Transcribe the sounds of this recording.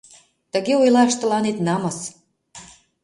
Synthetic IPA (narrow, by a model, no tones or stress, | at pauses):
t̪ə̆ɣeojlɑʃt̪ə̆lɑnet̪nɑmɤs